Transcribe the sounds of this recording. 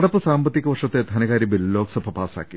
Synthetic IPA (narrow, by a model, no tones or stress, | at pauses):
ɐɽɐpɨsaːmbɐt̪ːikːɐʋɐrʂɐt̪ːed̪ʱɐnɐkaːɾibilːo̞ːksɐbʱɐpaːsa̰ːkːi